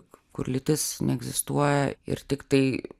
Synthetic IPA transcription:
kʊɾlʲɪt̪ʲɪsnʲɛɛɡzʲɪ̰st̪uɔjɛɪ̰ɾt̪ʲɪkt̪ɐɪ

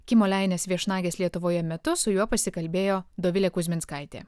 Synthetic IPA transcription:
kʲɪmoːlʲæˑɪnʲesʋʲiɛʃnɑːɡʲeːslʲiɛt̪ʊʋoːjɛmʲɛt̪ʊsʊjuɔpɐsʲɪkɐlʲbʲeːjoːd̪oːʋʲɪlʲekʊzʲmʲɪnskɑˑɪt̪ʲḛː

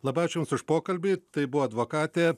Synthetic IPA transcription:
lˠɐbɐɑːt͡ʃʲjmsʊʃpoːkɐlʲbʲiːt̪ɐɪbʊʋoɐd̪ʋoːkɑːt̪ʲeː

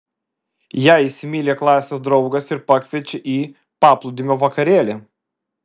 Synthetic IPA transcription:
jæːisʲɪmʲiːlʲeːklˠɑːsʲesd̪ɾɒʊɡɐsɪɾpɑkʲʋʲɛt͡ʃʲɛʔiː | pɑːplˠʊd̪ʲɪmʲoːʋɐkɐɾʲeːlʲe

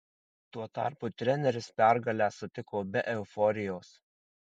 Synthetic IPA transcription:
t̪uɔt̪ɑ̰ˑɾput̪ʲɾʲɛnʲɛɾʲɪspʲæɾɡɐlʲæːsʊt̪ʲɪkoːbʲɛʔɛʊfɔɾʲɪjoːs

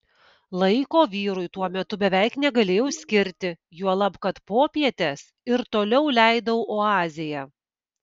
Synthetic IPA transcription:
lˠɐɪkoːʋʲiːɾʊɪt̪uɔmʲɛt̪ʊbʲɛʋʲæɪknʲɛɡɐlʲeːjɛʊsʲkʲɪɾʲt̪ʲɪ | juɔlˠɐpkɐt̪poːpʲiɛt̪ʲɛs | ɪɾt̪oːlʲɛʊlʲæˑɪd̪ɐʔoːɑːzʲɪjɛ

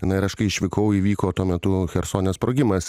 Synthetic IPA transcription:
ɪnɐɪɾɐʃkɐɪɪʃʲʋʲɪkɐʊiːʋʲiːkoːt̪uɔmʲɛt̪ʊxʲɛɾsoːnʲnʲɛspɾoːɡʲɪmɐs

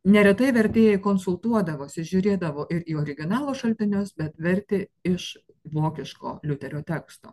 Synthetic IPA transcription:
nʲɛɾʲɛt̪ɐɪʋʲɛɾʲt̪ʲeːjɛɪkoːnsʊlˠt̪uɔd̪ɐʋoːsʲɪʒʲuɾʲeːd̪ɐʋoːʔɪɾiːoːɾʲɪɡʲɪnɑːlˠoːʃɐlʲt̪ʲɪnʲoːsbʲɛt̪ʋʲɛɾʲt̪ʲɪɪʃ | ʋoːkʲɪʃko̰ːlʲʊt̪ʲɛɾʲoːt̪ʲæːkst̪o̰ː

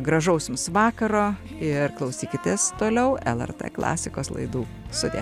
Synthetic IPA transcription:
ɡɾɐʒɐʊsʲʊmsʋɑːkɐɾoː | ɪrklˠɐʊsʲiːkʲɪt̪ʲeːst̪oːlʲɛʊɛlˠɛ̰rt̪ɛ̰ːklˠɑ̰ːsʲɪkoːslˠɐ̰ɪd̪uː | sʊd̪ʲḛː

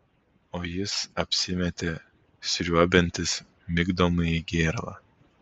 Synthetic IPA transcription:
oːjɪsɐpʲsʲɪmʲɛt̪ʲe | sʲɾʲuɔbʲɛnʲt̪ʲɪs | mʲɪɡd̪oːmɐɪɡʲeːɾlˠɑ̰ː

